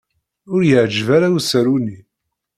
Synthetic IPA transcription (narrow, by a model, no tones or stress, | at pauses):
ʊɾjəʕd͡ʒvaɾawsəɾuni